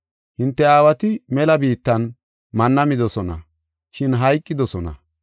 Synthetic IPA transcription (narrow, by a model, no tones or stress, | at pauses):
hɪnt̪ːɛaːwɐt̪ɪmɛlɐbiːt̪ːɐn | mɐnːɐmɪd̪ɔsɔnɐ̰ | ʃɪnɦɐjkʼːɪd̪ɔsɔnɐ̰